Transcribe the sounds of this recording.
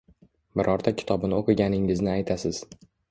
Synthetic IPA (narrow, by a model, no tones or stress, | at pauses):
bɪɾʔɒɾt̪ʰakʲʰɪ̥t̪ʰɒbɪnɪoqʰɨɡʲanɪŋɪznɪajt̪ʰasɪz̥